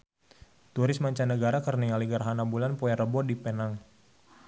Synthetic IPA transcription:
t̪uɾɪsmaɲt͡ʃanəɡaɾakərniŋaliɡaɾɦanabulanpɔjaɾəbɔdipənaŋ

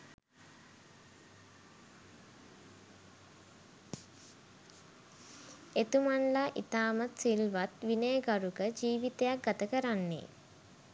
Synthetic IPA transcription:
et̪umanlaʔit̪aːmat̪silʋat̪ʋinejəɡaɾuɡəd͡ʒiːʋit̪ejak̚ɡat̪əkəɾanːḛ

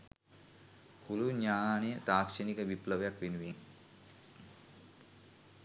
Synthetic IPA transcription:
puluɲaːnejət̪aːkʂenikəʋipləʋəjakʋenuʋeŋ

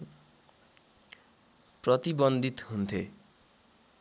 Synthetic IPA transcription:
prʌt̪ibʌnd̪ʱit̪ɦunt̪ʰḛ

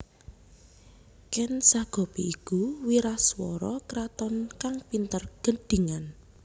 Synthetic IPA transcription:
kɛnsaɡ̥ɔ̤piikuwiɾaswɔɾɔkɾat̪ɔnkaŋpint̪ərɡ̥ə̤ɖ̥i̤ŋan

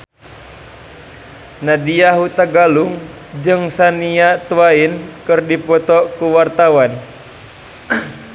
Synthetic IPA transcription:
nadiaɦut̪aɡaluŋ | d͡ʒɨŋsaniat̪uwainkɨrdipɔt̪ɔkuwart̪awan

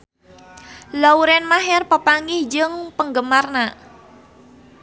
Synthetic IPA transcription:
louɾɛnmaɦɛrpəpaŋɪhd͡ʒəŋpəŋɡəmarna

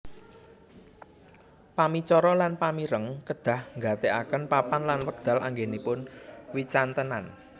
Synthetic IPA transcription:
pamit͡ʃɔɾɔlanpamiɾəŋkəd̪̥ä̤hŋɡat̪eʔakənpapanlanwəɡ̚d̪̥a̤lʔa̰ŋɡenipʊnwit͡ʃant̪ənan

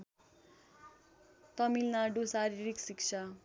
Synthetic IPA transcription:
t̪ʌmilnaɖusaɾiɾiksik̚t͡sʰa

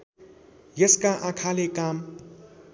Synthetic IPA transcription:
jəskaʔãkʰalekaːm

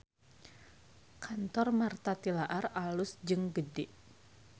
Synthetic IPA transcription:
kʰant̪ɔrmart̪at̪ilaʔaralʊsd͡ʒɨŋɡədɪʔ

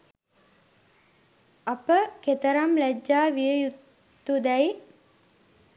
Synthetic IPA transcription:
ɐpəket̪əɾamlæd͡ʒːaːʋijəjut̪ː | ud̪ɛj

